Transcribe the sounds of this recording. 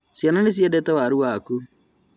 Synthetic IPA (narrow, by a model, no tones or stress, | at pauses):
siananes̬iadɛtawaɾuwaːku